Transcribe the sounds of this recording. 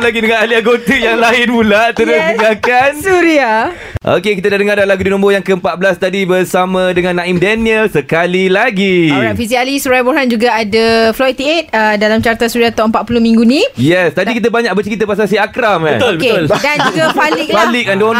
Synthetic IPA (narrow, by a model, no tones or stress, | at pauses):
laɡidəŋãnaliaɡot̪əjaŋlaɪnpulaʔt̪əɾʊsməɡakansuɾia | ʔo̰kekit̪ədadəŋaɾdalaɡudinɔ̃mbojaŋkəəmpat̪̚bəlast̪adibəɾsamãdəŋãnːãimdɛniəlsəkalilaɡifisialisuɾajboɦand͡ʒuɡaadaflɔit̪iet̪̚ədalamt͡ʃaɾt̪asuɾiat̪aʔəmpat̪ʔ̪̚puluhmĩŋɡunĩjɛst̪adikit̪̬əbaɲak̚bət͡ʃəkit̪əpas̬asiakɾamãnt̪ʊlbkeldand͡ʒuɡapalik̚balɪk̚andon